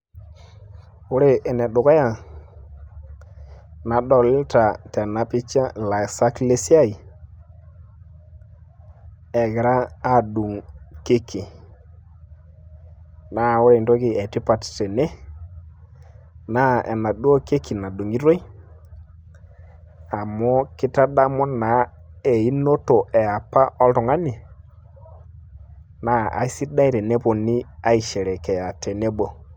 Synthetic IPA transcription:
ʊ˦ɾe˨ʔɛ˨nɛ˨ɗʊ˨ka˦ja˨ | na˨dɔ˨lɪ˦ta˨tɛ˨na˨pɪ˦t͡ʃa˦˨la˨sa˦kle˦si˦a˦˨i˨ | ɛ˨ɡɪ˨ɾaː˦du˨ŋke˦kʰi˨ | na˦˨wʊ˦ɾe˨nto˦kɪ˦˨ɛ˨ti˦pa˨ttɛ˨ne˦ | na˦ɛ̰˨na˨ɗu˦o˦ke˦kʰi˨na˨du˨ŋi˦ɾo˦i˦ | a˨mɔ˦kɪ˦ta˦da˦mɔ˦na˨˦ɛ˨i˦no˦to˨ʔɛ˨a˨pa˦ʔɔ˦lu˨ŋa˦ni˨ | na˦a̰˨˦si˦da˦i˨ɾɛ˨ne˦pɔ˨ni˦a˦i˨ʃɛ˨ɾɛ˨kɛ˨a˨tɛ˨ne˦bo˨

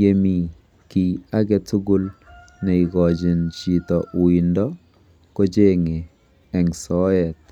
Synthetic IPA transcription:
je˦mi˨ | ki˨a˦ɡɛ˦tu˦ɡu˦l | nɛ˨i˨ɡɔ˨d͡ʒɪ˨nt͡ʃi˨tɔ˨wi˨ndɔ˦ | ko˦d͡ʒe˦ŋe˨ | ɛ˨ŋsɔ˦ɛ˨t̪̚

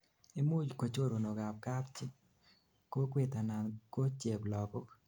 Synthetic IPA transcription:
e˦mu˦d͡ʒko˨t͡ʃo˦ɾo˨no˨ɡa˨p̚ka˦pt͡ʃɪ˦ | ko˦kwɪ˦˨t̪a˨na˨nko˦t͡ʃe˨blɔ˨kɔ˦

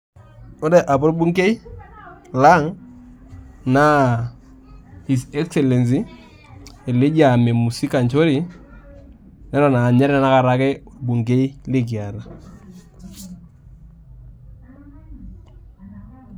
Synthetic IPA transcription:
o˦de˨ʔa˨po˦ɾbu˦ŋke˦i˦ | la˦ŋ | na˦ | hi˨sɛ˦ksɛ˨le˨ns̬i˦ | e˨le˦d͡ʒa˨me˨mu˨si˦ka˨nt͡ʃo˦ɾi˨ | nɛ˦ɾɔ˨na˨ɲɛ˦ɾɪ˦na˦na˦ka˦ɾa˦kɪ˦a˨bu˨ŋke˦i˦le˦k̬i˨a˨ɾa˨

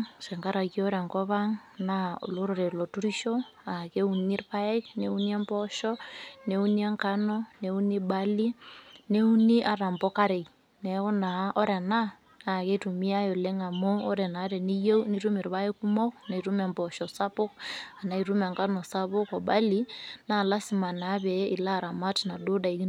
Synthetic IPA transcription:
sɛ˨ŋka˦ɾa˨ko˦ɾɛ˨ŋkɔ˦βa˦ŋna̰˦˨lo˦ɾo˨ɾe˨lɔ˨tu˦ɾi˦ʃɔ˦a˨ke˦u˨ni˦rpa˦ɛ˦kne˦u˦ni˦a˦mpɔ˦ʃɔ˦ne˨u˦ni˦ɛ˦ŋka˦nɔ˦ne˨u˦ni˦ba˦li˦ne˦u˦ni˦ʔa˨ɾa˨mbɔ˦ka˦ɾe˨k | nɛ˨ɔ˦na˨ʔɔ˦ɾɛ˨na˦ | na˨ke˦tu˨mi˦a˦jo˨le˦ŋa˨mo˦ɔ˦ɾɛ˨na˨˦ɾɛ˨ni˦je˦ni˦ɾu˦mi˨ɾβa˦e˦ku˦mɔ˦kna˨i˨ɾu˦mɛ˨mbɔ˨ʃɔ˨sa˦po˦ka˨na˨i˨ɾu˦ma˨ŋka˦nɔ˨sa˦βʊ˦kɔ˨ba˦li˦na˦˨la˦si˨ma˨na˨˦bɛ˨˦i˨la˦˨ɾa˨ma˦tna˨do˦da˨i˨ki˦

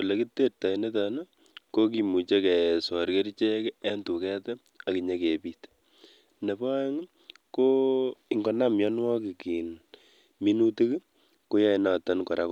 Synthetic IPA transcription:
u˨le˨ki˦te˦rta˨i˨ne˦t̬a˨na˦ | ko˦ki˨mu˨t͡ʃe˦kɛ˨swa˨ɾke˦ɾt͡ʃɛ˦kɛ˦ntu˨kɛ˦tɛ˦ | a˨ki˨ɲa˦ke˨pi˦t | ne˨ba˦ŋ | ko˦i˦ŋɡɔ˦na˦mjɔ˦nwɔ˦ki˨ki˨n | mi˦nu˦ti˦k | ko˦ja˦ina˨ta˦nkɔ˨ɾa˦k

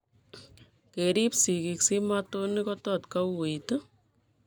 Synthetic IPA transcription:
ke˨ɾi˦psi˨ki˧ksi˦mat̪o˦nɪkɔtɔ˨t̪ka˦we˨jt̪o

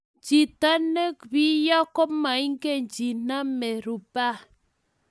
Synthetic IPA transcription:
d͡ʒi˨ta˦ne˦kbi˦jɔ˦kɔ˦ma˨i˦ŋ˦ke˦˨nd͡ʒi˨na˦me˨ɾu˨ba˦

